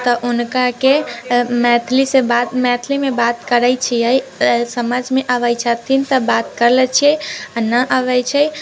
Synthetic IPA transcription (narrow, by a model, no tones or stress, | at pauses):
t̪əʔunkakemɛt̪ʰlisebat̪mɛt̪ʰlimebat̪kəɾəjt͡ʃʰijəjsəməd͡ʒmeʔəʋəjt͡ʃʰət̪ʰint̪əbat̪kəɾlɛt͡ʃʰiɛanəʔəʋɛjt͡ʃʰɛ